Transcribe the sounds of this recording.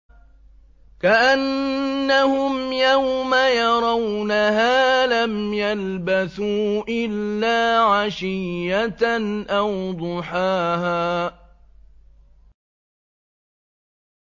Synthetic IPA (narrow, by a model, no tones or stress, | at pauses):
kaʔanːahʊmjahʊmajɑɾˤɑwnaɦaːlamjalbaθuːʔɪlːaːʕaʃɪjːat̪ʔawd̪ˤʊħaːɦaː